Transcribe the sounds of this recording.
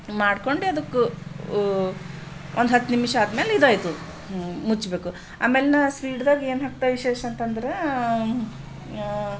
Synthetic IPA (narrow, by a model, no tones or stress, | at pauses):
maːɽko̞ɳɖeɐd̪ɐkːu | ʔond̪ɦɐt̪ːnimʂɐaːd̪meːlid̪aːjt̪u | mut͡ʃbeːku | a̰ːmeːlnɐspiːɖd̪aːɡie̞ːnɦaːk̚t̪ajʋiʃeːʃɐɐnt̪ɐnd̪ɐɾe